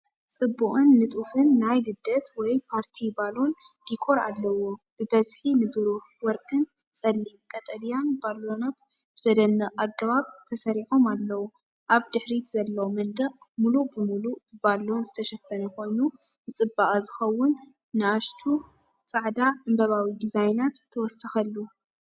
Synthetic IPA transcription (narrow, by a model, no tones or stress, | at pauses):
t͡sʼɨbːuχʼɨnːɨt̪ʼufɨnːajɡɨd̪ɐt̪wɔjpʰaɾt̪ʰibalo̞nd̪̥ikʰo̞ɾa̰lːɐwob̥ɨbɐzħinɨbɨɾuħwɔɾkʼɨn | sʼɐlːimkʼɐt̪ʼɐd̪ijanbalonat̪b̥ɨzɐd̪ɐnːɐʔaɡɐβaβt̪ʰɐsɐɾiħo̞malːɐwu | ʔaβd̪ɨħɾit̪zɐlːɐwomɐnd̪ɐʔmulubɨmulubɨbalo̞nzɨt̪ʰɐʃɐfːɐnɐko̞jnu | nɨt͡sʼɨbːaʔʼazɨxɐwːʊnː | ɨaʃt̪ʰu | t͡sʼaʕd̪aɨmbɐβawid̪izajnat̪ʰːɐwɔsɨxɐlːu